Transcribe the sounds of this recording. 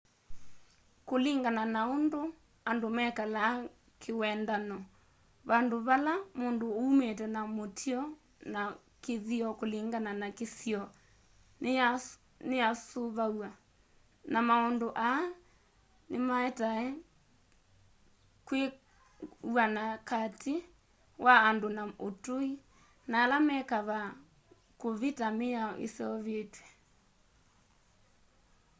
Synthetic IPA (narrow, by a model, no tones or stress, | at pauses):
koliŋɡananaondo | andomɛkala | kʰewɛndanɔ | βandoβalamoːndooumetɛnamotʰiɔ | na | keðiɔkoliŋɡananakesiɔ | neasoβawa | namaɔndoʔa | nemaɛtaɛ | kwe | wanakatʰi | waːndonaotoi | naːlamɛkaβa | koβitameaʔḛsɛɔβetwɛ